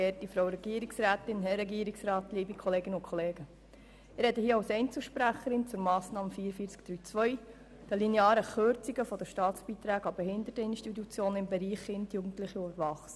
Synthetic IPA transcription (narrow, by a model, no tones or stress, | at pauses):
eːtifɾowɾɛɡ̥iəɾiksɾæːt̪ɪnɦɛɾɛɡiːəɾiksɾɑːt̪liːbikχɔleːɡɪnʊnkʰχɔleːɡə | ɪɾɛdəhiːəɑwsɛɪnt͡sl̩ʃpɾæχəɾɪnt͡sʊɾmɑːsnɑːməfiːɾəfiːt͡skd̥ɾyːt͡sʋœʏ | d̥əlineɑːɾəχøɾt͡siɡəfɔd̥əʃtɑːtt͡sb̥iːt̪ɾæːɡɑbɛhɪnd̪ətəɪnʃtitut͡sjoːnɪmbɛɾiːχːɪntjuːɡn̩tlɪχiubəɾvɑχs